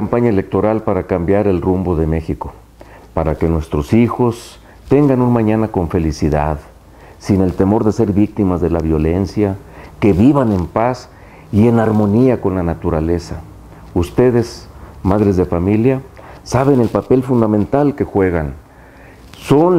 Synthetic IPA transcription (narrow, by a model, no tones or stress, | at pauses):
ampaɲaele̞k̚t̪o̞ɾalpaɾakambjaɾe̞lrumbo̞ðe̞me̞xiko̞ | paɾake̞nwe̞st̪ɾo̞sixo̞s | t̪e̞ŋɡanunmãɲãnako̞ɱfe̞lisiða̰ð | sine̞lt̪e̞mo̞ɾðe̞se̞ɾβik̚t̪imazðe̞laβjo̞le̞nsja | ke̞βiβane̞mpas | ie̞naɾmõ̞niako̞nlanat̪uɾale̞sa | ust̪e̞ðe̞smaðɾe̞zðe̞familjasaβ̞e̞ne̞lpape̞lfund̪amẽnt̪alke̞xwe̞ɣan | so̞n